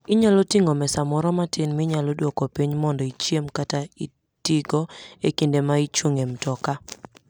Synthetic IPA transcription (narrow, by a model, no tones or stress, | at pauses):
ɪɲalɔtiŋɔmɛsamɔɾɔmatɪnmɪɲalɔdwɔkɔpiɲmɔndɔit͡ʃjemkatai | tiɡɔekindemait͡ʃwoŋemtɔka